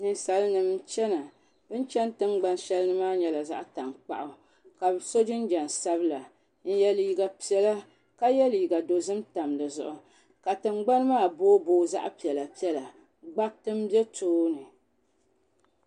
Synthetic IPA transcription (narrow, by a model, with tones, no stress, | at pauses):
nɨ˨nsa˨lɨ˦nɨ˨mt͡ʃɛ˦na˨ | bɨ˦n˦t͡ʃɛ˦n˦tɨ˦ŋ͡mɡ͡ba˦nʃɛ˦lɨ˦nɨ˦maː˦ɲɛ˨la˨za̰˦ʔta˨ŋk͡pa̰˨ʔʊ˨ | ka˨so˦d͡ʒɪ˦n˦d͡ʒɛ˨n˨sa˦bɨ˦la˨ | n̩˦jɛ˦liː˨˦ɡa˨pi˨ɛ˨la˦ | ka˦jɛ˦liː˨ɡa˨do˨zɨ˦mta˨mdɨ˨zʊ̰˨ʔʊ˨ | ka˨tɨ˨ŋ͡mɡ͡ba˦n˦maː˦˨boː˦boː˦za̰˦ʔpi˨ɛ˨la˨pi˦ɛ˦la˨ | ɡ͡ba˦tɨ˦m˦bɛ˦toː˦nɨ˨